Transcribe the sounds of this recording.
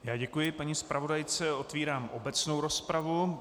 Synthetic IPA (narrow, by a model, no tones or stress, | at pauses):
jaːɟɛkujɪpaɲispɾavo̞dajt͡sɛo̞t̪viːɾaːmʔobɛt͡snowɾo̞spɾavu